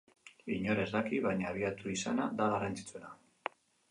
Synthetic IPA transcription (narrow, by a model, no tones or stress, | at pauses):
iɲo̞ɾe̞zðakiβaɲaːβiat̪uisanad̪aɣarant͡si̥t͡sue̞na